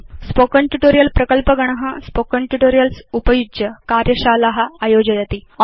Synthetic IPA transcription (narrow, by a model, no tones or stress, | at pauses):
spokəɳʈjuʈoːɾijɐlpɾɐkəlpɐɡɐɽ̃ɐɦɐspokɐɳʈuʈoːɾijɐlsupɐjud͡ʒjɐkaɾjɐɕaːlɐɦɐajoːd͡ʑɐjɐt̪iɔ